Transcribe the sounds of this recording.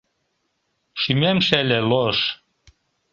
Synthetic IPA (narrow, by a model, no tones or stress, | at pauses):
ʃymæmʃælʲeloʃ